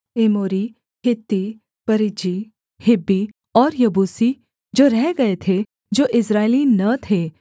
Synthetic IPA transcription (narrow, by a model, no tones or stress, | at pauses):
emoːɾi | hɪt̪ːi | pɐɾɪd͡ʒi | hɪbːi | ɔːɾjɐbuːsi | d͡ʒoːɾɛɦɡɐet̪ʰe | d͡ʒoːʔɪsɾaːelinɐt̪ʰe